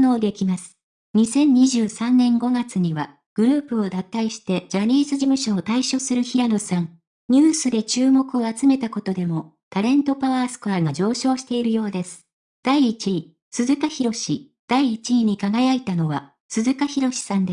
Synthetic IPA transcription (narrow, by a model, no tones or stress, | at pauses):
noːd̪e̞kʲimasɨ̥ | ɲ̟isẽ̞ɲ̟ɲiʑɨːsãnːẽ̞ŋɡo̞ɡat͡sɨɲ̟iβa | ɡ̥ɯ̟ɾɯ̟ːpɯ̟o̞d̪at̪ːaiɕi̥t̪e̞d͡ʑaɲ̟ʲiːzɨʑimɯ̟ɕo̞ːt̪aiɕo̞sɨɾɯ̟çiɾanosãŋ | ɲ̟ɨːsɨd̪e̞t͡ɕɨːmo̞kɯ̟o̞at͡sɨme̞t̪ako̞t̪o̞d̪e̞mo̞ | t̪aɾẽ̞nt̪o̞paβaːsɨ̥kɯ̟aɡad͡ʑo̞ːɕo̞ːɕi̥t̪e̞iɾɯ̟jo̞ːd̪e̞sɨ̥ | d̪̥aiːt͡ɕi | sɨzɨkaçiɾo̞ɕi | d̪̥aiːt͡ɕiɲ̟ikaɡajait̪ano̞βa | sɨzɨkaçiɾo̞ɕi̥sãnd̪e